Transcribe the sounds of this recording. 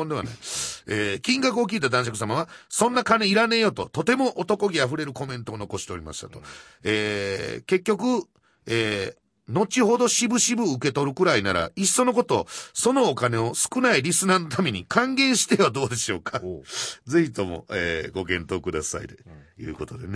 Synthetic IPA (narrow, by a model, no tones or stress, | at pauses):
ond̪ea̰na̰ieːkʲĩŋɡakɯ̟o̞kʲiːt̪ad̪ãɕakɯ̟̥s̬amaβ̞asõ̞nːakaneiɾane̞jo̞t̪o̞̰t̪o̞t̪e̞mo̞ʔot̪o̞ko̞ɡʲiaɸɯ̟ɾe̞ɾɯ̟ko̞mẽ̞nt̪o̞ːno̞ko̞ɕi̥t̪e̞o̞ɾʲima̰ɕi̥t̪ḁt̪o̞̥ | eːke̞kʲːo̞kɯ̟ | eː | no̞t͡ɕiɦo̞d̪o̞ɕibɯ̟ɕibɯ̟ɯke̞t̪o̞ɾɯ̟kɯ̟ɾainaɾa̰iso̞no̞k̬o̞t̪o̞ːso̞no̞ːkane̞o̞sɨ̥kɯ̟naiɾʲisɨnaːno̞t̪ame̞ɲ̟ikʰãŋɡẽ̞ɰ̃ɕi̥t̪e̞βad̪o̞ːd̪e̞ɕo̞̰ːkʰad͡zɨit̪o̞mo̞̰eːɡo̞kẽ̞nt̪o̞ːkɯ̟d̪asa̰ḭd̪ejɯ̟̰ːko̞t̪o̞d̪ene